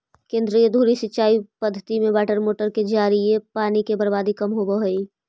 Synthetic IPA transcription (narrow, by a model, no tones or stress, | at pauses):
kẽːnd̪ɾijəd̪ʱuːɾisɪtːt͡ʃaːipəd̪ʱːət̪imẽbɛːʈəɾmoːʈəɾked͡ʒaːɾiepaːnikebəɾbaːd̪ikɐmɦobəɦoi